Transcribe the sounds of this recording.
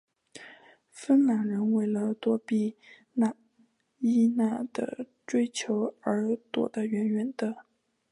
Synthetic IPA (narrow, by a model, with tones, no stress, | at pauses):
fə˥nla˨˩ɻə˧˥nwe˥˩ɪlə˨t̪wɔ˥pi˥˩ | na˥˩ | i˥na˥˩d̪̥ə̰˨˩ | ʈ͡ʂwe˥ɪt͡ɕʰjo˧˥ʊə˧˥t̪wɔ̰˨˩d̪ə˦ɥɛ˧˥nɥɛ˨˩nd̪ə˦